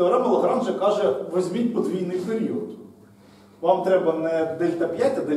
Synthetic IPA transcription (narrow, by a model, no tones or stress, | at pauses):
ɔɾɑmɐlˠɔɦɾɑmt͡ʃɛkɑʒɛʋezʲmʲitʲpɔd̪ʋʲijnɪjpeɾʲiɔt̪ | ʋɑmt̪ɾɛbɐnɛd̪ɛlʲt̪ɐpʲjatʲɐd̪ɛ